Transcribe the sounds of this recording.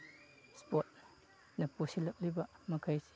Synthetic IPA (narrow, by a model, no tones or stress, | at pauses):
spot̚ | nɐposilɐk̚libɐmɐkʰajsi̥